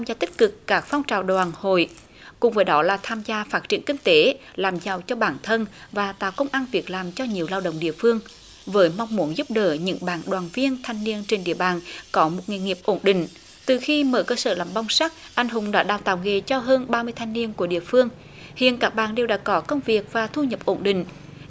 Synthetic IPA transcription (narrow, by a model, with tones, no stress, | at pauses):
mzaː˧t̪ï˦˥k̚kɨ˨˩kːaː˦˥k̚fa˧wŋ͡mt͡ɕaː˨˩wɗwaː˨˩nho̰˧˨j | kʊ˨˩ŋ͡mvəː˨˦jɗɔ˨˦laː˨˩t̪ʰaː˧mzaː˧faː˦˥t̚t͡ɕḭ˧˩ənkï˧ŋ̟t̪e˨˦ | laː˨˩mza˨˩wt͡ɕɔ˧ɓaː˧˩nt̪ʰə˧nvaː˨˩t̪a̰ː˧˨wkə˧wŋ͡mʔaː˧nvi˨˩ək̚laː˨˩mt͡ɕɔ˧ɲi˨˩əwlaː˧wɗə̰˧˨wŋ͡mɗḭ˧˨əfɨ˧əŋ | vəː˨˦jma˧wŋ͡mmu˨˦nzʊ˦˥p̚ɗəː˧˩ɲɨ̰˧˥ŋɓaː˧˩nɗwaː˨˩nvi˧ənt̪ʰa˧jŋ̟ni˧ənt͡ɕe˧nɗḭ˧˨əɓaː˨˩nkɔ˨˦mo˨˩t̚ŋḭ˨˩ŋi˨˩əp̚ʔo˧˩nɗï˧˨ŋ̟ | t̪ɨ˨˩xi˧məː˨˦jkəː˧səː˧˩laː˨˩mɓa˧wŋ͡msa˦˥k̚ʔa˧jŋ̟ɦʊ˨˦ŋ͡mɗa̰ː˧˦˥ɗaː˨˩wt̪a̰ː˧˨wŋe˨˩t͡ɕɔ˧ɦəː˧nɓaː˧mɨ˧əjt̪ʰa˧jŋ̟ni˧ənku˧˩əɗḭ˧˨əfɨ˧əŋ | hḭ˧˨ənkaː˦˥k̚ɓaː˨˩nɗe˨˩wɗa̰ː˧˥kɔ˨˦kə˧wŋ͡mvi˨˩ək̚vaː˨˩t̪ʰu˧ɲə˨˩p̚ʔo˧˩nɗï˧˨ŋ̟